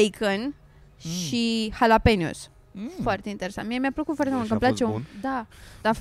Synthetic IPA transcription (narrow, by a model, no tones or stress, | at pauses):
ejkʰən | ʃihalapenjṵs | foart̪e̞int̪e̞ɾesant̪mijemʲjapləkut̪foart̪eult̪kəmplat͡ʃeud̪ad̪̥af